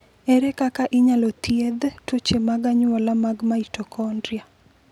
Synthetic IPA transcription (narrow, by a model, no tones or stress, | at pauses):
eɾekakaʔɪɲalot̪jed̪tot͡ʃemaɡaɲwɔlamaɡmaitɔkɔndɾia